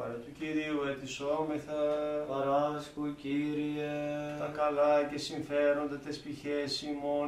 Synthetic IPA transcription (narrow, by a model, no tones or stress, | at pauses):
ɐ̰ɾɐt̪uciɾiuet̪isomeθɐɐɾɐskuciɾieɐkɐlɐcesiɱfeɾo̞nd̪et̪espiçesimo